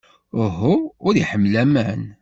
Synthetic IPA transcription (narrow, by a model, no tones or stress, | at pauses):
əɦuʊɾiħəmːlæmæn